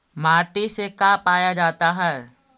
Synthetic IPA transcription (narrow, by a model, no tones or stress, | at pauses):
maːʈisekaːpaːjad͡ʒaːt̪aɦɛː